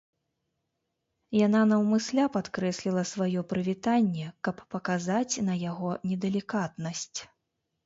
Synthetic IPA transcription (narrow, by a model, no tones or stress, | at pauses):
jananɐwmɨsʲlʲapat̪kɾɛsʲlʲilˠɐsvajɔpɾɨvʲit̪anʲːɛkɐpːɐkazat͡sʲnɐjaɣɔnʲɛd̪ɛlʲikat̪nɐsʲt͡sʲ